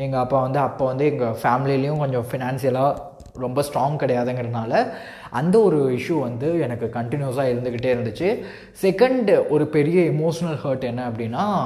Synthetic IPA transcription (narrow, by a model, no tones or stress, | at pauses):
ɛŋɡɐɐpːaːʋɐnd̪ɯɐpːoːʋɐnd̪ɯɛŋɡɐfaːmɪlilɐjʊ̃kɔɲd͡ʒɔ̃fɪnaːnsɪjɐlaː | ɾɔmbɐsʈɾoːŋkɐɽɐjaːðɐŋɡɪɾɐðɐnaːlɐ | ʔɐnd̪ɐɔɾɯɪʂjuʋɐnd̪ɯɛnɐkːɯkɐɳʈɪnjuɐsaːɪɾɯnd̪ɯkːɪʈːeːɪɾɯnd̪ɯt͡ʃːɯ | sɛkːɐɳɖɔɾɯpɛɾɪjɐɪmoːʂɐnɐlhɐːʈɛnːɐɐpːɐɽɪnːaː